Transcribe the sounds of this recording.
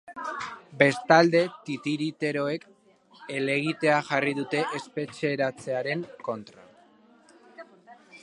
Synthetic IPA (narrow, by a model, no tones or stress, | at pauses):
be̞st̪ald̪e̞t̪it̪iɾit̪e̞ɾo̞e̞k | e̞le̞ɣ̞it̪e̞aʝarið̞ut̪e̞ʔespe̞t͡ʃeɾat͡se̞aɾe̞ŋko̞nt̪ɾa